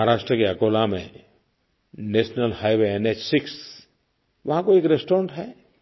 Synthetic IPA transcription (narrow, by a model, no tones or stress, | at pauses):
aɾaːʃʈɾəkeɐkoːlamḛ̃ | neːʃnəlhaːjʋeeneːt͡ʃsɪks | ʋɐɦãkoeːkɾesʈoːɾə̃ɳʈɦɛː